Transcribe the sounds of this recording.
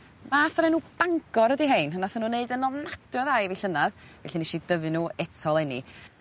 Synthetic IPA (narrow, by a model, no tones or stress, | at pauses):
maːθɾenuːb̥aŋɡɔɾədiɦeɨnənaθənuːneɨdənɔvnadjɔðajviɬənaðvɛ̰ɬiniʃidəvɨnuːɛtʰɔlˠɛnḭ